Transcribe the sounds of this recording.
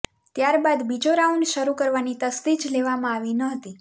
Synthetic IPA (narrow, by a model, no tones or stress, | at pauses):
t̪jaɾbad̪bid͡ʒoɾauɳɖʃəɾukəɾʋanit̪əst̪id͡ʒleʋamãaʋinəɦət̪i